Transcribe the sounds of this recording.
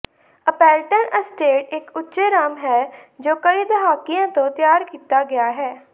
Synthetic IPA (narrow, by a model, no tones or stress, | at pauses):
əpɛːlʈənəsʈeːʈɪkʊtːʃeːɾaːmɦɛːd͡ʒoːkəiːd̪əɦaːkːɪjãːt̪õːt̪ɪjaːɾkiːt̪aːɡɪaːɦɛː